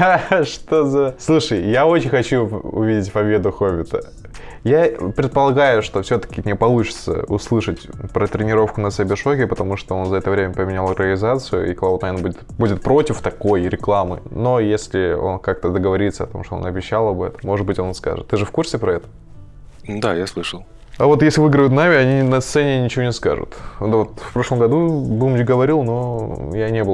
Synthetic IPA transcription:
ʂt̪ozɐslˠuʂəjjao̞t͡ɕɪnʲxɐt͡ɕuʊ̰vʲidʲɪtʲpɐbʲe̞d̪ʊxovʲɪt̪ə̰ | japɾʲɪt̪̚pəlˠɐɡajʊʂt̪o̞fsʲot̪ə̥kʲɪmʲnʲepɐlˠut͡ɕɪ̥t̪sə̰ʊslˠɨʂətʲpɾət̪ɾʲɪnʲɪɾo̞fkʊnəsʲɐbʲɪʂokʲɪpət̪ɐmuʂt̪oo̞nzəɐɛt̪əvɾʲemʲəpəmʲɪnʲalˠɾʲəəlʲɪzat̪sɨjʊ̰ḭk̪ˠalˠot̪ɐenbudʲɪt̪budʲɪt̪̚pɾo̞tʲɪft̪ɐko̞jɾʲɪklˠamɨ̰no̞jesʲlʲɪo̞̰nkak̚t̪əd̪əɡəvɐɾʲit̪səɐ̰t̪o̞̰mʂt̪oo̰nɐbʲɪɕːalˠɐbɛt̪əmːo̞ʐɨd̪̚bɨtʲo̞nska̰ʐɨt̪ːɨʐɨfkursʲɪpɾɐɛt̪ə̥ | d̪ajaslˠɨʂəlˠ | avo̞t̪jesʲlʲɪvɨɡɾəjʊt̪namʲɪɐnʲinɐst̪sɛnʲɪnʲɪt͡ɕɪvonʲɪska̰ʐʊ̰t̪d̪vot̪fpɾo̞ʂlˠəmɡɐd̪ubumd͡ʑɡəvɐɾʲilˠno̞janʲebɨl

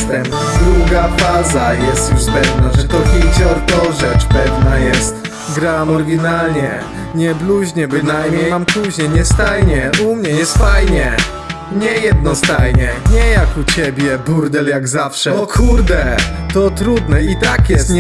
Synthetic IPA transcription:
t̪ɛm | d̪ɾuɡafazajɛst̪juʂpɛvnaʐɛt̪ɔxʲid͡ʑɔɾt̪ɔʐɛt͡ʂpɛvnajɛst̪ | ɡɾamɔɾɡʲinalɲɛ | ɲɛbluʑɲɛbɨnajmɲɛjjampuʑɲɛɲɛst̪ajɲɛumɲɛjɛst̪fajɲɛ | ɲɛjɛd̪̚nɔst̪ajɲɛɲɛjakut͡ɕɛbʲjɛbuɾd̪ɛljaɡzafʂɛɔkʰuɾd̪ɛt̪ɔt̪ɾud̪nɛit̪akjɛs

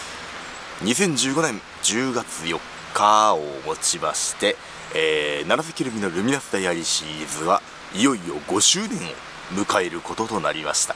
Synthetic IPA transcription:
ɲ̟is̬ẽ̞ɲ̟d͡ʑɨːɡo̞nẽ̞n | d͡ʑɨːɡat͡sɨjo̞kʰːaomo̞t͡ɕima̰ɕi̥t̪e̞ː | naɾasakʲiɾɯ̟mʲino̞ɾɯ̟mʲinast̪ajaɾʲiɕizɨβa | ijo̞io̞ɡo̞ɕɨːnẽ̞ɰ̃o̞̰ | mɯ̟kae̞ɾɯ̟ko̞t̪o̞t̪o̞naɾʲima̰ɕi̥t̪ḁ

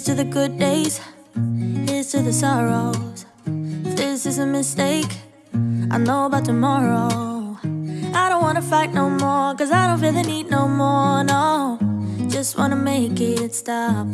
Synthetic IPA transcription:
tʰɨðɨɡʊd̚eɪz̥ | hɪz̥tʰɨðɨsɑɹoʊz̥ | fðɪsɨzɨmɨsteɪk | ʔaɪnoʊəbaʊtʰəmɑɹoʊ | ʔaɪɾõʊ̃nʔwɑ̃nəfaɪtⁿnoʊmɔɹkʌzaɪɾõʊ̃nɹilˠinidⁿnoʊmɔɹnoʊ̥d͡ʒ̥ʌst̚wʔɑ̰̃nəmeɪkɪɾɨtstʌp̚

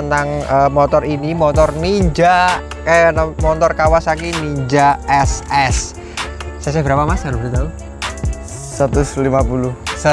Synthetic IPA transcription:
ənaŋəmɔt̪ɔrinimɔt̪ɔrniɲd͡ʒa | kanmɔnt̪ɔrkawasakiniɲd͡ʒaʔɛsɛs | sas̬ɛb̥əɾapamasaɾbəɾit̪au | sat̪ʊslimapulus

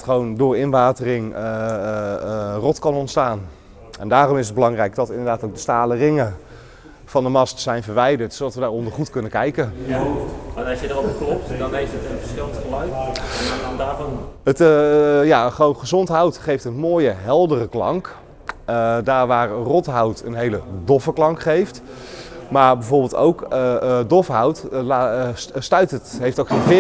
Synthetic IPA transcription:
tχəʋowndʊːrɪnʋaːtərɪŋə | rɔtkɑnɔntstaːn | ɛndaːrɔmɪsəd̚bəlɑŋrɛjk̚dɔtɪndəɹdaːtowk̚dəstaːlərɪŋə | fɑndəmɑstəsɛjnvərʋɛjdəɹtsowdɑtʋədaːɹɔndəɹχutkɵnəkɛjkə | anɑsjədəɾovəklɔp̚tdɔnejfətənfəɹsɪlˠəntχəlœɥt | ɔndaːvɔnətjaχəʋownχəzɔntɦawtχejftənmoːjəɦɛlˠdərəklɑ̰ŋk | ədaːɹʋaːrrɔtɦawtənɦejlədɔfəklɑŋkχejft | maːɹbɛjvoːɹbɪːlˠto̰wkədɔfɦawtlastœɥtətɦejftowkχenvɪ

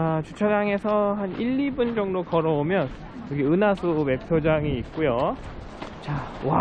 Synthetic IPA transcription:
t͡ɕut͡ɕʰad͡ʑaŋe̞sʰʌɦaniʎːibund͡ʑʌŋdokʌɾʌomjʌn | kɯɡeɯnasʰume̞pʰjod͡ʑaŋiːt̚k͈ujo | t͡ɕawa

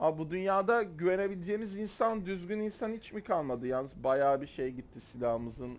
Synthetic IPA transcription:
abud̪ynjaːd̪aɟyve̞ne̞bilʲd͡ʒeːmizinsand̪yzɟyninsanhit͡ʃmikʰalˠmad̪ɯjaːnɯzbajaːbiʃe̞jɟit̪ʰːisilʲaɦɯmɯzɯn

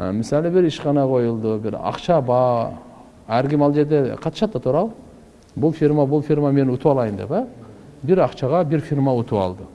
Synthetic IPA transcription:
mɪsælɪbɪɾɪʃqɑnɑqʰo̞jəlˠd̪əbɪɾɑ̰qʃɑbɑ | æɾɡʲɪmɑlˠʒe̞ɾd̪e̞qʰɑt̪ə̥ʃɑt̪ːɑt̪ʰuɾɑlˠ | bʊlˠfʲiɾmabʊlˠfʲirmame̞nwot̪əwɑlˠɑjənd̪ḛpɑbɪɾɑqʃɑʁɑbɪɾfʲiɾmɑwot̪ʰəwɑ̰lˠd̪ə

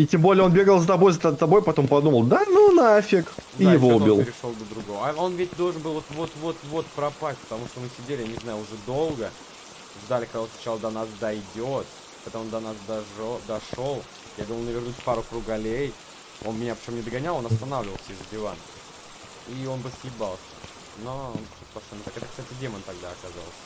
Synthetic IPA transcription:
itʲembo̞lʲɪjəo̞nbʲe̞ɡəlˠzət̪ɐbo̞jzət̪ət̪ɐbo̞jpɐt̪o̞mpɐd̪uməlˠd̪anunafʲɪkijɪvo̞ʊbʲilˠɪɾʲɪʂo̞lˠd̪əd̪ɾʊɡo̞vəonvʲetʲd̪olˠʐɨnbɨlˠvot̪vo̞t̪vo̞t̪vo̞t̪̚pɾɐpasʲt̚ʲpə̥t̪ɐmuʂt̪omɨsʲɪdʲelʲɪjanʲɪznajʊʊʐɛd̪o̞lˠɡə | ʐd̪alʲɪkɐɡd̪aosnɐ̥t͡ɕalˠəd̪ɐnasd̪ɐjdʲot̪ | pɐt̪amond̪ɐnasd̪d̪ɐʂo̞lˠ | jad̪uməlˠnəvʲɪrnusʲpaɾʊkɾʊɡɐlʲej | o̞nmʲɪnʲapɾʲɪt͡ɕo̞mnʲɪd̪əɡɐnʲalˠonɐst̪ɐnavlʲɪvəlˠsʲəɪzədʲɪvank | io̞nbɨsʲjɪbalˠsʲə̰ | noonsʲut̪pɐst̪ʲonʲɪt̪akɛt̪əkst̪atʲɪdʲemənt̪ɐɡd̪aɐkazaə̰lˠsʲə̥

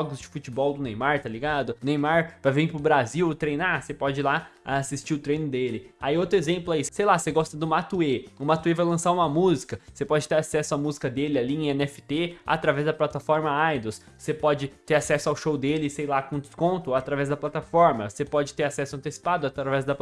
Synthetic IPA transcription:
ʒɔɡʊzd͡ʒɪfut͡ʃibɔwd̪ʊnẽj̃maɾt̪aliɡad̪ʊnẽj̃maɾpɾɐvẽj̃pɾʊbɾaziwt̪ɾejnasepɔd͡ʒɪlaasist͡ʃiʊt̪ɾẽj̃nʊd̪elɪaiot̪ɾʊezẽmplʊaisejlaseɡɔst̪ɐd̪ʊmat̪ueʊmat̪uevajlɐ̃saɾũmɐmuzikɐsepɔd͡ʒɪt̪eɾasɛsʊamuzikɐd̪elɪaliẽẽnɛfɪ̥t̪ea̰t̪ɾavɛzd̪ɐplat̪afɔɾmɐajd̪ossepɔd͡ʒɪt̪eɾasɛsʊawʃowd̪elɪsejlakõd̪ɪkõnt̪ʊat̪ɾavɛzd̪ɐplat̪afɔɾmɐsepɔd͡ʒɪt̪eɾasɛsʊɐ̃nt̪esi̥pad̪ʊat̪ɾavɛzd̪ɐ

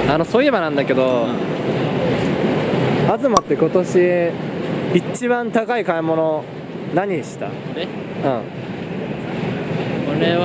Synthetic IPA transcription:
ano̞soːiebanãnd̪ake̞d̪o | azɨmat̪ːe̞ko̞t̪o̞ɕi | it͡ɕiβãnt̪akaikaemo̞no̞ | naɲ̟iɕi̥t̪a̰e | ɯ̃ | koɾe

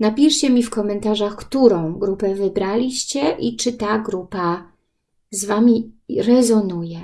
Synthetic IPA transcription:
napʲiʂt͡ɕɛmʲifkɔmɛnt̪aʐaxkt̪uɾɔ̃w̃ɡɾupɛvɘbɾalʲiɕt͡ɕɛʔit͡ʂɘt̪aɡɾupa | zvamʲiɾɛzɔnujɛ

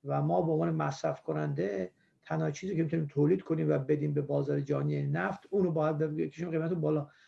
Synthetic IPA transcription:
væmɒːbeomvɒːnemæsɾæfkʰonænd̪e | t̪ʰænhɒːt͡ʃʰiːziːcʰeit̪uniːmt̪ʰoːliːd̪̚kʰoniːmvæbe̞d̪iːmbebɒːzɒːɾed͡ʒɒːnienæft̪ʰuːnobɒːjæd̪̚beɡekʰeʃiːmɣejmæt̪umbɒːlɒː

